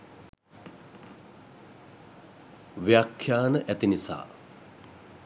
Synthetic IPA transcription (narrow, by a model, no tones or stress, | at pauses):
ʋjakʰjaːnəʔæt̪inisa̰ː